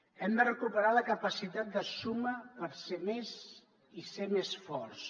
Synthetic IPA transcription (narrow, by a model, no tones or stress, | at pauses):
ɛmd̪ərəkupəɾaləkəpəsit̪at̪̚d̪əsuməpəɾsemez | isemesfɔɾs